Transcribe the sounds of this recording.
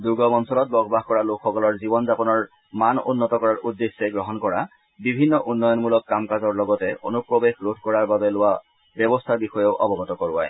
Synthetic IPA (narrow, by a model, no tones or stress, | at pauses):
duɡɔmɔnsɔlɔt̚bɔɡɔbaxkɔɹalokʰxɔkɔlɔɹzibɔnzapɔnɔɹ | manṵnːɔtɔkɔɹaɹʔudːesːɛɡɹɔɦɔnkɔɹa | bibʱinːɔʔunːɔjɔnmulɔkːamkazɔɹlɔɡɔtɛʔo̰nupɹɔbexɹodʰʱkɔɹaɹbabɛlowa | bjɔbɔstʰaɹbixɔjɔʊʔɔbɔɡɔtɔkɔɹuwa̰j